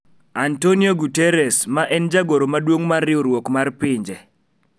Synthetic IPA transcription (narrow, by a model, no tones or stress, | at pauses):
antonioɡutɛɾɛsmaʔɛnd͡ʒaɡoɾomadwoŋmarːɪoɾwokmarpɪɲd͡ʒe